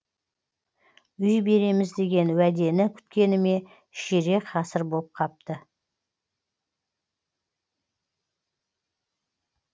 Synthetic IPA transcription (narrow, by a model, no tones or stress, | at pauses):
ʏjbe̞ɾe̞mɪzd̪e̞ɡʲe̞nwæd̪e̞nɪkʲʰʏ̥t̪̚kʲe̞nɪme̞ | ʃeɾe̞qʰɑsəɾbolˠəp̚qʰɑp̚t̪ə